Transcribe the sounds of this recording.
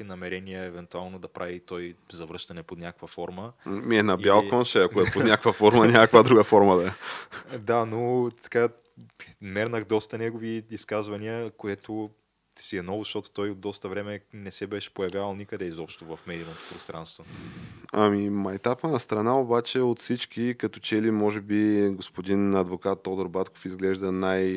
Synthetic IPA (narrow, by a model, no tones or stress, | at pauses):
inɐmɛɾɛniəɛvɛnt̪ualˠnod̪ɐpɾʔavit̪ɔj | zɐvɾɤʃt̪ɐnɛpot̪nʲakəkvɐfɔɾməmiɛnɐbbalˠkɔnʃɛɐkoɛpot̪nʲakəkvɐfɔɾmɐnʲakəkvad̪ɾuɡəfɔɾməd̪aɛd̪anot̪ɐ̥ka | mɛɾnəxd̪ɔst̪ɐnʲɛɡoviːskazvɐniəkoɛt̪o | siɛnɔvʊzɐʃt̪ɔt̪ʊ̥t̪ɔjod̪ːɔst̪əvɾɛmɛnɛsɛbɛʃɛ̥pojɐvʲjavɐlˠnʲikəd̪ɛizɔpʃt̪ovɐfmɛd̪iɐnot̪o̥pɾost̪ɾa̰nst̪vo | amimɐjt̪apənɐst̪ɾɐnaobat͡ʃɛot̪fsit͡ʃkikɐt̪ɔt͡ʃɛlimɔʒɛbiɡospod̪inɐd̪vokat̪ːod̪oɾbat̪ko̥fizɡlɛʒd̪ɐnaj